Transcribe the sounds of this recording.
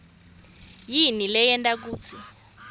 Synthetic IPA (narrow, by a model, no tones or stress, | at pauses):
jinilɛjɛntʼak̬uːt͡sʰi